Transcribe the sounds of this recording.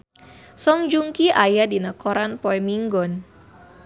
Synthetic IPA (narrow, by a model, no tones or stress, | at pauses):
sɔŋd͡ʒuŋkiʔajadinakɔɾanpɔɛmiŋɡɔn